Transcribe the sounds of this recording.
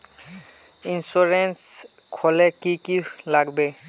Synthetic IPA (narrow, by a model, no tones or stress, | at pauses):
insuɹens | kʰolekikilaɡbe